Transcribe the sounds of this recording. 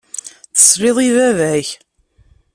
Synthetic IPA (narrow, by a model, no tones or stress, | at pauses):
θə̥sˤɾɪðˤiðævæç